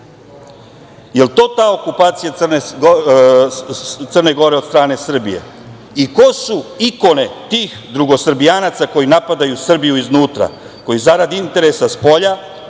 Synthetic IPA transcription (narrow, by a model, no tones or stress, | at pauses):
je̞lt̪o̞ːt̪aːo̞kupaːt̪sijat̪srne | t̪sərne̞ɡo̞ɾe̞od̪st̪ɾaːne̞sr̩bḭje̞̰ | iko̞suiko̞ne̞t̪iːxd̪ɾuɡo̞sr̩bijaːnat̪sako̞jinapad̪ajusr̩bijuiznuːt̪ɾa̰ | ko̞jizaɾad̪iint̪e̞ɾesaspo̞ʎa